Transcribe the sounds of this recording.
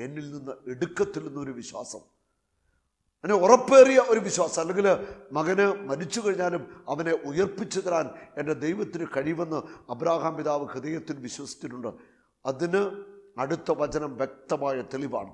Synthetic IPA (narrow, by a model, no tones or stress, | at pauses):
e̞nːilninːɨeɽukːɐt̪ːilninːɐo̞ɾuʋiɕwa̰ːsɐm | enːeorɐpːe̞ːrijɐʔo̞ɾuʋiɕwaːsɐmɐlːeŋɡilmɐɣɐnɨmɐnit͡ɕːuɣɐɻiɲːaːlumɐʋɐne̞ʔujɐrpːit͡ɕːɐðɐɾaːne̞nde̞d̪ejʋɐt̪ːinɨkɐɻijʋenːɐɐbɾaːɦaːmpiðaːʋɨhɨðɐjɐt̪ːinʋiɕwɐsi̥t͡ɕ̪ːiʈːuɳɖɨ | ɐðinɨɐɽut̪ːɐʋɐt͡ɕɐnɐmʋjek̚t̪ɐmaːjɐt̪e̞liʋa̰ːɳɨ